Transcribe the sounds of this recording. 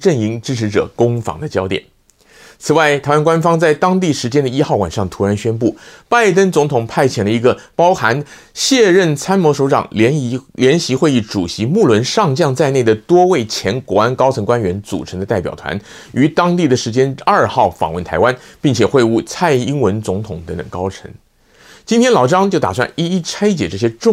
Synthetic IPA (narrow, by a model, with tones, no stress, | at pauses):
ʈ͡ʂə˥˩ŋi˧˥ŋʈ͡ʂɻ̩˥ʈ͡ʂʰɻ̩˧˥ʈ͡ʂɤ̰˨˩kʊ˥ŋfɑ̰˧˥ŋd̪ə˧t͡ɕjɑ˥ʊt̪jɛ˨˩˦n | t͡sʰɹ̩˨˩wa˥˩ɪt̪ʰa˧˥ɪwa˥nkwa˥nfɑ˥ŋt͡sa˥˩ɪt̪ɑ˥ŋt̪̬i˥˩ʂɻ̩˧˥t͡ɕjɛ˥nd̪ə˨i˥xɑ˥˩ʊwa̰˨˩nʂɑ˥˩ŋt̪ʰu˧˥ɻa˧˥nɕɥɛ˥npu˥˩pa˥˩ɪt̪ə˥nt͡sʊ˧˥ŋt̪ʰʊ˨˩ŋpʰa˥˩ɪt͡ɕʰjɛ˨˩nlə˦i˧˥ɡə˧pɑ˥ʊxa˧˥n | ɕjɛ˥˧ɻə˥˩nt͡sʰa˥nmwɔ˧˥ʂo˧˥ʊʈ͡ʂɑ̰˨˩ŋ˧˥ljɛ˧˥nɕi˧˥xwe˥˧i˥˩ʈ͡ʂu˨˩ɕi˧˥mu˥˩lwə˧˥nʂɑ˥˧ŋt͡ɕjɑ˥˧ŋt͡sa˥˧ɪne˥˩ɪd̪ə˩t̪wɔ˥we˥˩ɪt͡ɕʰjɛ˧˥nkwɔ˧˥a˥nkɑ˥ʊt͡sʰɤ˧˥ŋkwa˥nɥɛ˧˥nt͡sṵ˨˩ʈ͡ʂʰɤ˧˥ŋd̪ə˧t̪a˥˩ɪpjɑ̰˨˩ʊt̪ʰwa̰˧˥n | y˧˥t̪ɑ˥ŋt̪i˥˩d̪ə˩ʂɻ̩˧˥t͡ɕjɛ˥nɐ˞˥˧xɑ˥˩ʊfɑ̰˨˩ŋwə˥˩nt̪ʰa˧˥ɪwa˥npi˥˩ŋt͡ɕʰjɛ˨˩xwe˥˧ɪu˥˩t͡sʰa˥˩ɪi˥ŋwə˧˥nt͡sʊ˧˥ŋt̪ʰʊ˨˩ŋt̪ə˧˥ŋt̪ə̰˨˩ŋkɑ˥ʊʈ͡ʂʰə̰˧˥ŋ | t͡ɕi˥nt̪ʰjɛ˥nlɑ˨˩ʊʈ͡ʂɑ˥ŋt͡ɕjo˥˩ʊt̪a̰˨˩s̬wa̰˥˧ni˥i˥˩t͡sʰa˥ɪt͡ɕjɛ˨˩ʈ͡ʂɤ˥˩ɕ̬jɛ˥ʈ͡ʂʊ˥˧